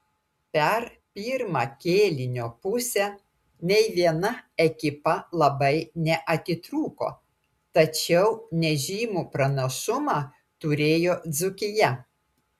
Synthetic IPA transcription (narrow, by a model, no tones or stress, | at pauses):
pʲɛɾ | pʲiːɾmɑːkʲeːlʲɪnʲoːpʊsʲɛ | nʲɛɪʋʲiɛnɐɛkʲɪpɐlˠɐbɐɪnʲɛʔɐt̪ʲɪt̪ɾuːko̰ː | t̪ɐt͡ʃʲɛʊnʲɛʒʲiːmuːpɾɐnʲoʃʊmɑː | t̪ʊɾʲeːjoːd̪zʊkʲɪjɛ